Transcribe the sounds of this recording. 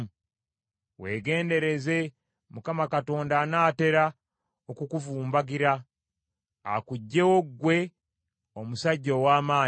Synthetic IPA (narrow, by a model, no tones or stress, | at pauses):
we̞ːɡe̞ːnde̞ɾe̞ze̞ | mukamakato̞ːndaːnaːte̞ɾa | okukuvuːmbaɡiɾa | kuɟːe̞wo̞ɡwe̞ | omusaɟːowaːmaː